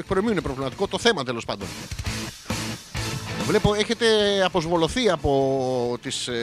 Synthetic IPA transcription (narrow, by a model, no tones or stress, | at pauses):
ek̚pɾomiuinepɾovlimɐt̪i̥ko̞t̪o̞θe̞mɐt̪e̞lo̞spɐnd̪o̞̰n | vle̞po̞e̞çe̞t̪e̞ɐpo̞zvo̞lo̞θiɐpo̞t̪is